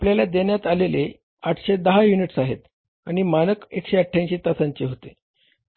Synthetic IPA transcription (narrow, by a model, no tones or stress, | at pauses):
apljalad̪eɳjat̪alele | aʈʰɕed̪əɦajuniʈsaɦet̪ | añimanəkekɕeəʈʰːjãnɕit̪asaɲt͡ɕeɦot̪e